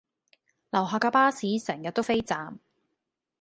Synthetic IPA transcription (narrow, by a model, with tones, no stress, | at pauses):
lɐ˨˩wɦaː˨kaː˧paː˥siː˨˥sɛː˨˩ŋjɐ˨t̪̚ːo˥wfe˥jt͡saː˨m